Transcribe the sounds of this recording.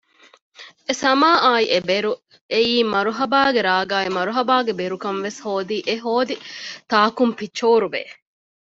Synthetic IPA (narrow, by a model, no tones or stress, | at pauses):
esɐmaːʔaːiʔebeɾu | eiːmɐɾuɦɐbaːɡeɾaːɡaːimɐɾuɦɐbaːɡebeɾukɐnʋeshoːd̪iːʔeɦoːd̪it̪aːkumfit͡ʃːoːɾubḛː